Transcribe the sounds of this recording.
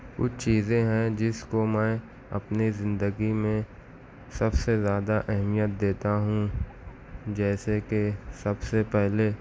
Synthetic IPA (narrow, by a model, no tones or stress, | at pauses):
kʊ̰t͡ʃʰt͡ʃiːzẽɦɛ̃d͡ʒɪskomɛ̃ | ɐ̰pnizɪ̃nd̪əɡimẽ | sɐbsezjaːd̪aʔɛɦmijət̪̚d̪eːt̪aɦũ | d͡ʒɛːsekesɐbsepɛɦle